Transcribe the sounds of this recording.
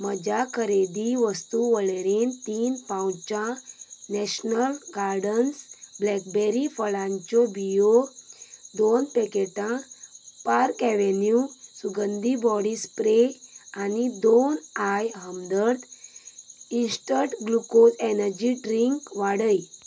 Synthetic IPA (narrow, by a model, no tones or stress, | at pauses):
məd͡ʑakʰəɾed̪iʋəst̪uʋəɭɭent̪iːnpãwt͡ɕãnɛɕnəlɡaɾɖənsblɛk̚beɾifəɭãɲt͡ɕɔbijo | d̪onpekeʈãpaɾkɛʋenjusuɡənd̪ibɔɽispɾeanid̪onajɦəmd̪əɾt̪ | insʈəʈɡlukolenəɾd͡ʑiɖɾiŋkʋaɽəj